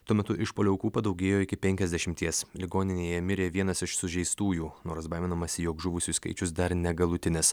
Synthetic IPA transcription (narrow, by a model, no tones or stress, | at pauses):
t̪uɔmʲɛt̪ʊʔɪʃpoːlʲʊkuːpɐd̪ɐʊɡʲeːjoːɪkʲɪpʲɛŋʲkʲɛzʲd̪ʲɛʃʲɪmʲt̪ʲiɛslʲɪɡoːnʲɪnʲeːjɛmʲɪɾʲeːʋʲiɛnɐsɪʃsʊʒʲɛɪst̪uːjuːnoːɾsbɐɪmʲɛnɐmɐsʲɪjoːkʒʊʋʊsʲʊskɐ̰ɪt͡ʃʲʊs̬d̪ɐɾnʲɛɡɐlˠʊt̪ʲɪnʲɪs